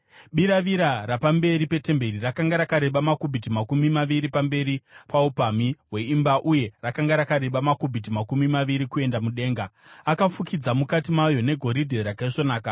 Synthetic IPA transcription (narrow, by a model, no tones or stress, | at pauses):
ɓiɾaʋiɾarapambe̞ɾipe̞te̞mbe̞rirakaŋɡaɾakaɾe̞ɓamakubʱit̬imakumimaʋiɾipambe̞ɾipaupamiwe̞imbaʔuje̞rakaŋɡaɾakaɾe̞ɓamakubʱit̬imakumimaʋiɾikue̞ndamuɗe̞ːŋɡa | akafukʰid͡zamukatimajo̞ne̞ɡʱo̞ɾidʱe̞ɾakaiʐo̞naːka